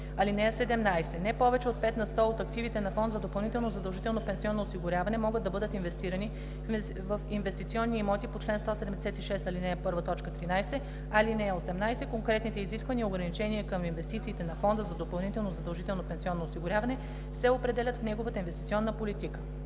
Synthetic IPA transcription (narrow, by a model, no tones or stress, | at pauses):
ɐlinɛɛsɛd̪ɛmnajsɛnɛpɔvɛt͡ʃɛot̪̚pɛt̪nɐst̪oot̪ɐkt̪ivit̪ɛnɐfɔnd̪zɐd̪opɐlˠnit̪ɛlˠnozɐd̪ɐlˠʒit̪ɛlˠnopɛnsiɔnːoosiɡʊɾʲjavɐnɛmɔɡəd̪ːɐbɤd̪ət̪invɛst̪iɾɐni | vəfinvɛst̪it̪siɔnːiːmɔt̪ipot͡ʃlɛnst̪ɔsɛd̪ɛmd̪ɛsɛt̪iʃɛst̪ɐlinɛpɤɾvət̪ɔt͡ʃkət̪ɾinajsɛ | ɐlinɛosɛmnajsɛkoŋkɾɛt̪nit̪ɛiziskvəniːoɡɾɐnit͡ʃɛniɛkəminvɛst̪it̪siːt̪ɛnɐfɔnd̪əzɐd̪opɐlˠnit̪ɛlˠnozɐd̪ɐlˠʒit̪ɛlˠnopɛnsiɔnːoːsiɡʊɾʲavɐnɛ | sɛopɾɛd̪ɛlʲɐət̪fnɛɡovət̪əinvɛst̪it̪siɔnːəpolit̪ikə̥